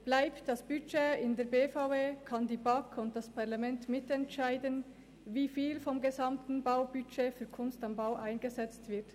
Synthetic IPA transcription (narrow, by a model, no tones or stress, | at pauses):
b̥laɪptd̥ɑsb̥yt͡ʃeːɪndɛːɐbeːfaʊveːkʰɑndiːbɑkʰʊnt̚d̥ɑspʰɑʁlɑmɛntmɪtɛntʃaɪdən | viːfiːlfɔmɡezɑmtn̩baʊbyt͡ʃeːfyːɐkʰʊnstambaʊʔaɪnɡəzɛt͡stv̥ɪɐt